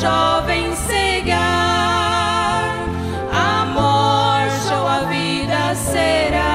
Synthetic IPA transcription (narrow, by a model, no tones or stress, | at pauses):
ɔvẽj̃seɡa | ɾ | amɔɾt͡ʃowɐvi | d̪ɐseɾa